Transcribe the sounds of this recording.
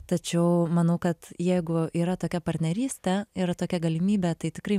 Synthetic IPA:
t̪ɐt͡ʃʲɛʊmɐnɐʊkɐt̪jɛɪɡʊiːɾɐt̪oːkʲɛpɐɾʲt̪ʲnʲɛɾʲiːsʲt̪ʲɛiːɾɐt̪oːkʲɛɡɐlʲɪmʲiːbʲɛt̪ɐɪt̪ʲɪkɾɐɪ

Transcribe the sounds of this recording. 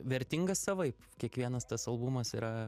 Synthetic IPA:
ʋʲɛɾʲt̪ʲɪŋɡɐssɐʋɐɪpkʲiɛkʋʲiɛnɐst̪ɐsɐlˠbumɐsiːɾɐ

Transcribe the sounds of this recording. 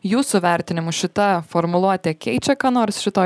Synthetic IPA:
juːsʊʋʲɛɾʲt̪ʲɪnʲɪmʊʃʲɪt̪ɐfɔɾmʊlˠuɔt̪ʲɛkʲɛɪt͡ʃʲɛkɑːnoːɾsʃʲɪt̪oː

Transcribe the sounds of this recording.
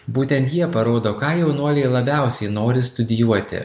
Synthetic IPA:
buːt̪ʲɛnt̪jiɛpɐɾoːd̪oːkɑːjɛʊnuɔlʲɛɪlˠɐbʲæˑʊsʲɛɪnoːɾʲɪst̪ʊd̪ʲɪjuɔt̪ʲɪ̰

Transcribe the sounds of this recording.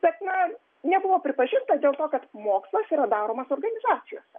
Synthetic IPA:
b̥ʲɛt̪nɐ | nʲɛbʊʋoːpʲɾʲɪpɐʒʲɪnt̪ɐd̪ʲeːlˠt̪oːkɐt̪moːkslˠɐsiːɾɐd̪ɑːɾoːmɐsoːrɡɐnʲɪzɑːsʲɪjo̰ːsʲɛ

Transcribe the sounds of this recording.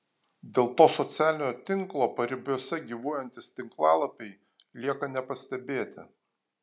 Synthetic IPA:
d̪ʲeːlˠt̪oːsɔt̪sʲæːlʲɪnʲoːt̪ʲɪŋklˠoːpɐɾʲɪbʲuɔsʲɛɡʲiːʋoːjɛnʲt̪ʲɪst̪ʲɪŋklˠɑːlˠɐpʲɛɪ | lʲiɛkɐnʲɛpɐsʲt̪ʲɛbʲeːt̪ʲɪ̰

